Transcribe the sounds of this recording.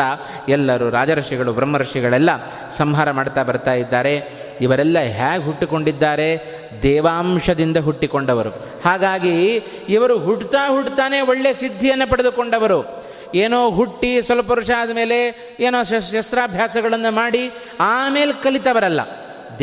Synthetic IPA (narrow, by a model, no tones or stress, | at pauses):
ɐ | ɛlːɐɾuɾaːd͡ʒɐɾɐʂiɡɐɭubɾɐmːɐɾɐʂiɡɐɭɛlːɐ | sɐmɦaːɾɐmaːɽt̪aːbɐɾt̪aːjid̪ːaːɾe̞ | iʋɐɾɛlːɐɦaːɡɦuʈːiko̞ɳɖid̪ːaːɾe̞ | d̪ɛːʋaːmʂɐd̪ind̪ɐɦuʈːiko̞ɳɖɐʋɐɾu | haːɡaːɡiː | ʋɐɾuɦuɽt̪aːɦuɽt̪aːne̞oɭːe̞sid̪ʱːijɐnːɐpɐɽed̪uko̞ɳɖɐʋɐɾu | eːnoːɦuʈːisʋɐlɐp̬ɐɾuʂaːɐd̪ɐme̞ːle̞ | eːnoːɐʃɐsɾaːbʱjaːsɐɡɐɭɐnːumaːɽi | aːme̞ːlkɐlit̪ɐʋɐɾɐlːɐ̰ | d̪